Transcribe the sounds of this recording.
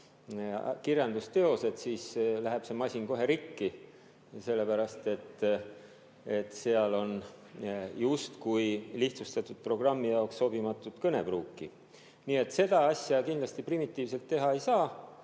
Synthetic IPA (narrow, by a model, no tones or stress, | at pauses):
kirjɑnd̪ust̪e̞o̞se̞t̪siːslæɦeb̥se̞mɑsʲinko̞ɦe̞ɾikːi | se̞lːe̞pæɾɑst̪e̞t̪ː | e̞t̪ːseɑlo̞n | just̪kujliht̪sust̪ɑt̪ːˑud̪̥̚pro̞ɡ̥rɑmːijɑoksːo̞bimɑt̪ːˑud̪̥kɤne̞b̥ruːkːi | niːe̞t̪ːˑse̞d̪̥ɑɑsʲjɑkind̪lɑst̪iprimit̪ˑːiːvse̞lt̪ːe̞ɦɑe̞jsɑː